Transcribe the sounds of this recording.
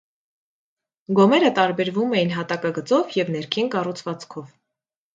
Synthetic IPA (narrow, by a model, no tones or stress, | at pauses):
ɡɔmɛɾət̪ɑɾbɛɾvumɛjinɦɑt̪ɑkɑɡət͡sɔvjɛvn̪ɛɾkʰinkɑrut͡sʰvɑt͡skʰɔv